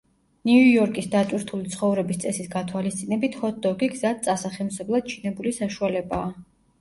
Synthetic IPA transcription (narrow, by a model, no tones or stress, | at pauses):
niujɔɾkʼisd̪at̪sʼwiɾt̪ʰulit̪sʰχɔvɾɛbist̪sʼɛsisɡat̪ʰwalist̪sʼinɛbit̪ʰχɔt̪̚ʰd̪ɔɡiɡzad̪̚sʼasaχɛmsɛblˠad̪̥̚t͡ʃʰinɛbulisaʃualɛbaː